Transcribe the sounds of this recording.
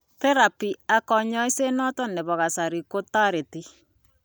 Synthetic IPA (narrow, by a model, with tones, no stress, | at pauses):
te˦ɾa˨pi˨a˨kɔ˨ɲɔ˦i˦se˦nɔ˦tɔ˦ne˨βɔ˨ɣa˨sa˨ɾi˨ko˦ta˦ɾe˨ti˦